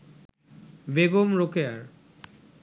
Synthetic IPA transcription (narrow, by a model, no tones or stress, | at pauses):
beɡomɾokeaɾ